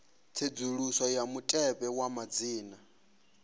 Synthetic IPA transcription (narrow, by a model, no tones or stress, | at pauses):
t͡sʰed͡zuɺusɔjamutʼɛpʼɛwamad͡ziːna